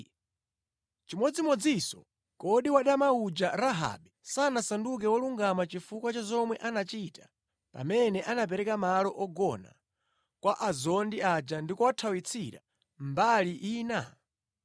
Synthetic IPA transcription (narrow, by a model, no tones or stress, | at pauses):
t͡ʃimɔd͡zimɔd͡zisɔ | kɔɗiwaɗamaud͡ʒaɾaɦa̰ːɓɛsanasanduk̬ɛwɔluŋɡamat͡ʃifukwat͡ʃazɔmwɛʔanat͡ʃitḁ | pa̰mɛnɛʔanap̬ɛɾɛkamalɔʔɔɡɔna̰ | kwaʔazɔndiad͡ʒandikɔwatʰawit͡sʰiɾa̰ | mbaliʔiːna